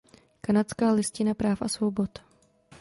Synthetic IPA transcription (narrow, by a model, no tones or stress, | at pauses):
kanatt͡skaːlɪscɪnapɾaːfʔa̰svobot̪